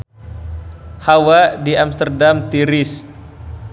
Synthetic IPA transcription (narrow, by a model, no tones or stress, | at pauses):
hawadiamst̪ərdamt̪iɾis